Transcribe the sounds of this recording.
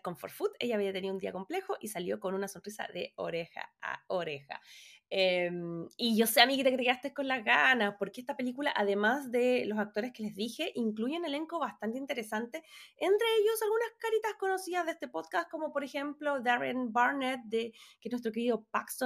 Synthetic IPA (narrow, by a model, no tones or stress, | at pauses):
ko̞ɱfo̰ɾfut̪e̞ʝaːβiat̪eniðund̪iako̞mple̞xoʔisaljo̞ko̞nunaso̞nrisa̰ðeo̰ɾexa̰a̰oɾexa̰emiʝo̞seamiɣit̪akeekeast̪ehko̞nlazɣanaspo̞ɾkeest̪ape̞likulaʔaðe̞masd̪e̞lo̞sak̚t̪o̞ɾeskele̞zðixe̞ʔiŋkluʝene̞le̞ŋkoβast̪ant̪eint̪e̞ɾe̞sant̪e̞ent̪ɾeeʝo̞salɣunaskaɾit̪asko̞no̞siðaðest̪e̞po̞ðkasko̞mo̞po̞ɾe̞xe̞mplo̞d̪aɾenbaɾnet̪̚d̪ekenwest̪ɾo̞keɾiðo̞pakso